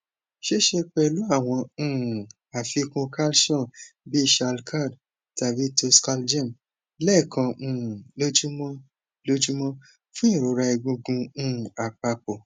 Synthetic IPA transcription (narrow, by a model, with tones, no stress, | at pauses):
ʃe˦ʃe˧k͡pɛ˧lu˨˦a˦˨w̃ɔ̃˧˦˨ | a˨fi˨˧kũ˧ka˦lʃɔ̃˦˨bi˦i˦˨ʃa˧lkʰa˦˨d | ta˨vi˨˦to˧ska˧ld͡ʒa˦˨m | lɛ˦˨kã˧˨lo˦d͡ʒu˦mɔ̃˦ | lo˦d͡ʒu˦mɔ̃˦ | fũ˦ĩ˦˨ɾo˨˦ɾa˧i˧ɡũ˧ɡũ˧˨a˨k͡pa˧k͡po˨